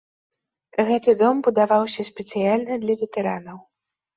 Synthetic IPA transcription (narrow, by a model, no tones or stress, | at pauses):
ɣɛt̪ɨd̪ɔmbud̪avawsʲɐsʲpʲɛt̪sɨjalʲnɨd̪lʲɐvʲɛt̪ɛɾanɐw